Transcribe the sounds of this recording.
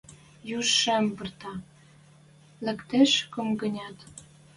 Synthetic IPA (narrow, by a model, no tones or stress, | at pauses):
juʃːæmbə̆rt̪ɑ | lɘ̆kt̪eʃkomɡə̆nʲɑt̪